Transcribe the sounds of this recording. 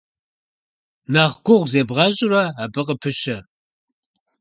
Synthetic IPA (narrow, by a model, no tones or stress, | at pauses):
naʁɡʷʊʁʷzeːbʁɑʑʼʊɾɐabɨqʼəpʰɨʃɐ